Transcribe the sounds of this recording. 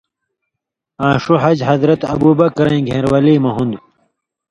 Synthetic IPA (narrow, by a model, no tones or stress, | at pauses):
ãːʂuɦɐd͡ʑɦɐzɾɐt̪ɐbuːbɐkɾɐ̃ĩɡʱẽːɾwɐliːmɐɦund̪u